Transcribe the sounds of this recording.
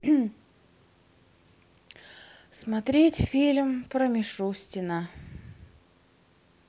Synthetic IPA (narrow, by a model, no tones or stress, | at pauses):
smɐt̪ɾʲetʲfʲilʲmpɾəmʲɪʂusʲtʲɪnə